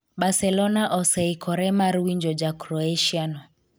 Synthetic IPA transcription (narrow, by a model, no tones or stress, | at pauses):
ɓasɛlɔnaʔɔsɛikʰɔɾɛmaɾuwiɲd͡ʒɔd͡ʒakɾɔɛʃianɔ